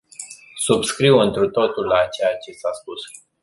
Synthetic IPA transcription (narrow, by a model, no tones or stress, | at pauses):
subskɾiwɨnt̪ɾut̪o̞t̪ulːat͡ʃejat͡ʃe̞saspus